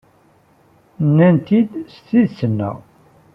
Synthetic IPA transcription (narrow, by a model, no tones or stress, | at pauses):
nːænt̪id̪st̪ːiðsənːə̰ʁ